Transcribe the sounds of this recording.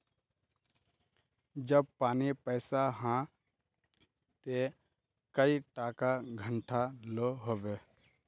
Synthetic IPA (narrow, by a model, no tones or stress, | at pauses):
d͡ʒəb̚paːnipɛːsaɦã | t̪e | kəiʈaːkaɡʱəɳʈʰaloɦoːbeː